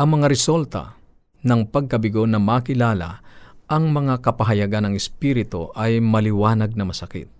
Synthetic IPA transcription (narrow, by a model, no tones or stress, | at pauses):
ʔɐŋmɐŋaɾɛsɛlt̪ɐ̰ | nɐŋpɐɡ̚kɐbɪɡonɐmakɪlaːla̰ʔɐŋmɐŋakɐpɐɦɐjɐɡanɐŋɛspiːɾɪt̪oʔɐjmɐlɪwaːnɐɡ̚nɐmɐsɐkɪ̰t̪̚